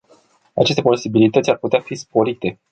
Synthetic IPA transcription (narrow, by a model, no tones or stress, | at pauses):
at͡ʃe̞s̬t̪epo̞sibilit̪ət̪ʲarput̪eafispo̞ɾit̪e̞